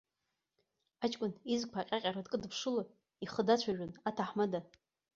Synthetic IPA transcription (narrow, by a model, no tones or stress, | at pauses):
at͡ʃʼkʷʼʊnizkʼpʰaqʲʼaqʲʼaɾadkʼɨdpʰʂɨla | iχədat͡ɕʷʰaʒᶣʊnatʰaħmada